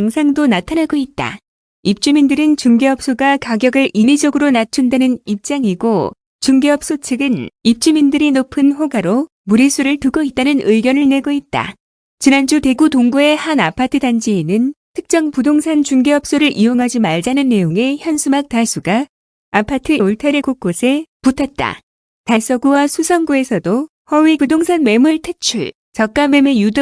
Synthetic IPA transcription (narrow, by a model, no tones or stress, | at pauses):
aŋsʰaŋdonatʰanaɡoit̚t͈a̰ | ip̚t͡ɕ͈umindɯɾɯnt͡ɕuŋɡe̞ʌp̚s͈oɡakaɡjʌɡɯɭimid͡ʑʌɡɯɾonat͡ɕʰundanɯnip̚t͡ɕ͈aŋiɡo | t͡ɕuŋɡe̞ʌp̚s͈ot͡ɕʰɯɡɯnip̚t͡ɕ͈umindɯɾinopʰɯnɸoɡaɾo | muɾis͈ʰuɾɯɭtɯɡoit̚t͈anɯnɯiɡjʌnɯɭne̞ɡoit̚t͈a̰ | t͡ɕinand͡ʑupe̞ɡutoŋbue̞hanapʰatʰɯdand͡ʑiinɯntʰɯk̚t͡ɕ͈ʌŋpudoŋsʰant͡ɕuŋɡeʌp̚s͈oɾɯɭʔioŋɦad͡ʑimaɭd͡ʑanɯnːe̞joŋe̞çjʌnsʰumak̚t͈as͈ʰuɡa | apʰatʰɯoɭtʰaɾikok͈̚osʰe̞putʰat̚t͈a̰ | taɭs͈ʌɡuwasʰusʰʌŋɡue̞sʰʌdo | hʌwipudoŋsʰanme̞muɭtʰet͡ɕʰuɭ | t͡ɕʌk̚k͈ame̞me̞jud